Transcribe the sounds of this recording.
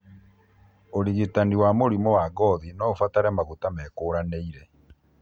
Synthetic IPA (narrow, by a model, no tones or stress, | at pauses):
oɾiɣitaniwamoɾimɔwaɡɔðinɔfataɾɛmaɣutamɛkoːɾaneiɾɛ